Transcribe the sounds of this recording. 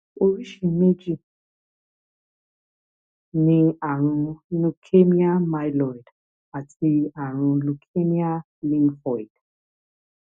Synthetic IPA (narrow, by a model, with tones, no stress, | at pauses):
o˨ɾi˦ʃi˨me˦d͡ʒi˦ | nĩ˦a˨ɾ̃ʊ̃˧lu˨kʰe˦mi˦a˦ma˦jlɔ˨jd | a˨ti˧˦a˨ɾ̃ʊ̃˧lu˨kʰe˦mi˦a˦ | lĩ˦ŋfɔ˨jd